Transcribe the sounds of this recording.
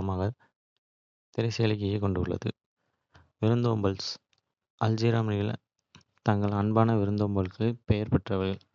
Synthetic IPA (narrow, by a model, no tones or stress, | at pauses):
maːɣɐ | t̪ɪɾɐɪseːɭɪkːɐjɐkɔɳɖɯɐɭːɐ̰ðɯ̰ | ʋɪɾɯnd̪ombɐls | ɐld͡ʒiːɾaːmɐnɪjɪl̰ | t̪ɐŋɡɐɭɐnbaːnɐʋɪɾɯnd̪oːmbɐɭɯkːɯpɛjɐɾpɐʈrɐʋɐɭ